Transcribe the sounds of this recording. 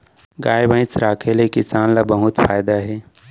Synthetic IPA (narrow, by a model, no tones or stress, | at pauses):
ɡaːjbə̃ɪ̃sɾaːkʰelekɪsaːnlabəɦʊt̪faːjd̪aɦɛː